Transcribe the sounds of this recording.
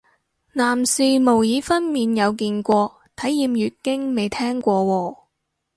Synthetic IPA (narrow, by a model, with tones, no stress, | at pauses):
naː˨˩msiː˧mo˨˩wjiː˨˧fɐ˥nmiː˨njɐ˨˧wk̬iː˧nkʷɔː˧ | t̪ʰɐ˨˥jːiː˧mɥyː˨t̚kɪ˥ŋme˨˧jt̪ʰɛː˥ŋkʷɔː˧wɔː˧